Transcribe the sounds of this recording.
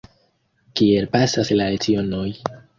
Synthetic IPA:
kie̞lpasaslaɾet͡sio̞no̞j

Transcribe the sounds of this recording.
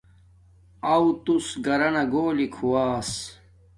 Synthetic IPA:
ɐwt̪usɡɐɾɐnɐɡoːlikʰuwaːs

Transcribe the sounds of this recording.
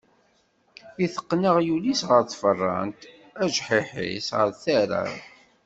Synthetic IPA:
iθə̥qːnəʁjulisʁəɾθfərˤːɑ̰nt̪ | æʒħiħḭsʁəɾθæɾæ̰

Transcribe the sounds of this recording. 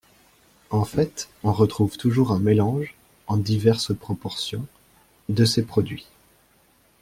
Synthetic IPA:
ɑ̃fɛt̪ | ɔ̃ʁət̪χuvt̪uʒuʁɛ̃melɑ̃ʒ | ɑ̃d̪ivɛʁspχɔpɔʁsjɔ̃ | d̪əsepχɔd̪ɥi

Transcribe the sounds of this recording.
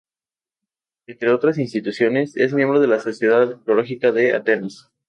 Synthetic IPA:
ent̪ɾe̞o̞t̪ɾasins̬t̪it̪usjo̞ne̞se̞zmjembɾo̞ð̞e̞laso̞sje̞ðaðkolo̞xikaðe̞a̰t̪e̞nas

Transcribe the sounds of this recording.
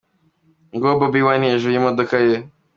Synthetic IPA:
ŋɡobɐbiwaneʒujimɐd̪ukaje

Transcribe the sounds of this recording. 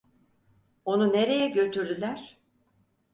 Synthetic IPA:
o̞nune̞ɾe̞jɛɟø̞t̪ʰyɾd̪ylʲæɾ̥

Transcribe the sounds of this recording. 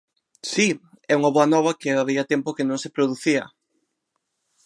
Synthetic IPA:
si | ɛuŋɐβoɐnɔβɐkɪaβiɐt̪ɛmpokɪnõŋsepɾoðuθiɐ̰

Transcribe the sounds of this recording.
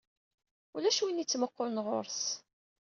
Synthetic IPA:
ulæʃwinit͡sːməqːolnʁo̰ɾs

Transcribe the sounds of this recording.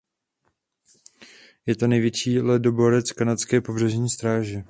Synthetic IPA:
jɛt̪o̞nɛjvjɛt͡ʃiːlɛdoboɾɛt͡skanat͡skɛːpo̞br̝ɛʒɲiːst̪ɾaːʒɛ

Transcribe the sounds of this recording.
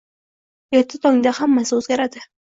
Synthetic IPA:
jet̪ʰːɪt̪ʰoŋd̪ahamːasɪɵzɡʲaɾad̪ɪ

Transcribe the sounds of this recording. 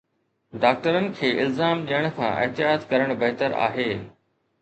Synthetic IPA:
ɖaːk̚ʈəɾənɪ̆kʰeːʔɪlzaːmɗijəɽ̃kʰã̰ʔɪ̰ɦt̪ɪjaːt̪kɐɾəɽ̃bɐɦt̪əɾa̰ːɦeː

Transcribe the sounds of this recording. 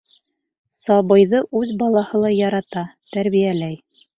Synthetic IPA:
sɑβɤ̆jðɤʔʉðbɑlˠɑhɤ̆lˠɑjɑɾɑt̪ɑt̪æɾβijælæj

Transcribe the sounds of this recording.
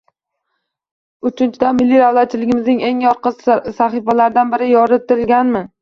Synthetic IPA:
ʊt͡ʃʰɪnt͡ʃʰɪd̪amɪlːiɾawlat̪̚t͡ʃʰːɪlɪɡʲɪmɪznɪŋe̞ŋjɒɾqɨzsaχifalaɾd̪anbɪɾɪjɒɾɪt̪ɪlɡʲanmɪ

